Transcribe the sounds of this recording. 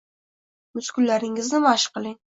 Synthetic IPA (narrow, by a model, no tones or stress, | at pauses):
mʊskʰʊllːaɾɪŋɪznɪmaʃqɨlˠɪŋ